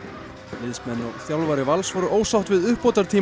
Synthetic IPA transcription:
lɪðsmɛnːɔɣθjawlvaɾɪvalsvɔɾʏʔoːwsawht̪vɪðʏhpːɔːt̪aɾ̥t̪ʰiː

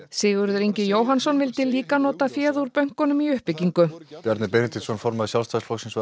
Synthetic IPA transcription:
sɪːɣʏɾðɾiɲcɪjoːwɦansɔnvɪlt̪ɪliːkanɔːt̪afjɛːðuɾpœɥŋ̥kɔnʏmiʏhpɪciŋkʏpjɛɾt̪nɪɾpɛnt̪ʰisɔnfɔɾmaðɪsjalst̪ʰasfɔksins

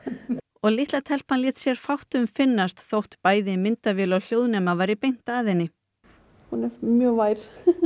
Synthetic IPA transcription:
ɔɣlɪht̪lat̪ʰɛl̥panlɪːt̪sjɛɾ̥fawht̪ʏmfɪnːast̪θowht̪paːjðɪmɪnt̪avɪːlawl̥jowðnɛːmavaɾipejn̥t̪aaðɪjnːɪ | hunɛɾmjœːvaːjɾ̥

